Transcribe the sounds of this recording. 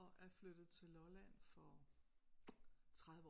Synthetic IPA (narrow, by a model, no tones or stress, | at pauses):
ɒʔæɐflød̥ð̩ˠt͡sʰe̝lɒlæn̰fɒ | t͡sʰʁaðˠʋəɒ